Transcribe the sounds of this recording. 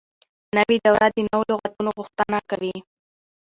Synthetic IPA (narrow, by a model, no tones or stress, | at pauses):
nawiɖawɾʔad̪ənawloɣat̪unoɣʊxt̪anakawi